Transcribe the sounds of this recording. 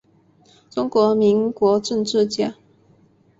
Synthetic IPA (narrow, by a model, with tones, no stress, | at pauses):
ʈ͡ʂʊ˥ŋkwɔ˧˥mi˧˥ŋkwɔ˧˥ʈ͡ʂə˥˧nʈ͡ʂɻ̩˥˧t͡ɕja˥˨